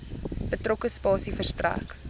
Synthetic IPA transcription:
b̥ətrokəspɑːsifərstræ̰ːk

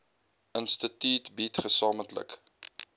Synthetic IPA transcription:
ʔənstətyːtbitχəsɑːməntlə̰k

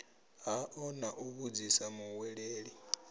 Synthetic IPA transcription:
ɦaʔɔnaʔuβud͡zisamuwɛɺeːɺi

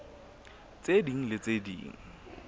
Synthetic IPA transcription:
t͡sediŋ̩lɪt͡sʼedḭːŋ̩

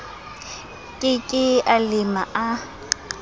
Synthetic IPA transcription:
kʼɪkʼɪalɪma̰ʔa

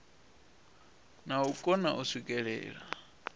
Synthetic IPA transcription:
naukʼɔna̰ʔusikʼɛɺɛ̰ːɺa

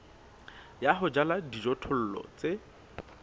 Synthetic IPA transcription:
jaɦʊd͡ʒaladid͡ʒɔtʰʊl̩lɔ̰t͡sʼe

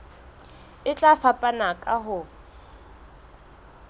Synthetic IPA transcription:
ɪt͡ɬʼafapʼanakʼaɦʊ

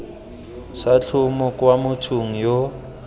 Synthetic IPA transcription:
sat͡ɬʰʊmʊkʼwamʊtʰuŋ̩jo

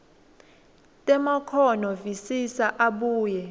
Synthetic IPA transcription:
tʼɛmakʰɔnɔvisisaʔaɓuːjɛ

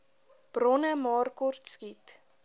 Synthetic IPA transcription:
b̥rɔnəmɑːrkɔrtskit

